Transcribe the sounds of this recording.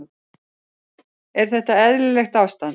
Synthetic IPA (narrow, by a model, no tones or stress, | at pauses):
ɛɾ̥θɛht̪aɛðlɪlɛxt̪awst̪a